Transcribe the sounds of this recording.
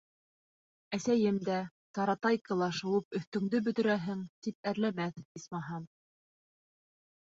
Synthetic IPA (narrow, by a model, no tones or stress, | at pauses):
æsæjɘmd̪æ | t̪ɑɾɑt̪ɑjkɤ̆lˠɑʃɤ̆wɤpɵ̆θt̪ɵ̆ŋd̪ɵbɵ̆t̪ɵ̆ɾæɦɘŋt̪ip̚æɾlæmæθismɑɦɑm